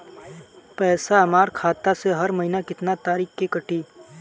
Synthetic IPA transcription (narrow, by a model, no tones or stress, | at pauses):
pɛːsaɐmaːɾkʰaːt̪aseɦɐɾmɐɦinakɪt̪nat̪aːɾiːxkekɐʈiː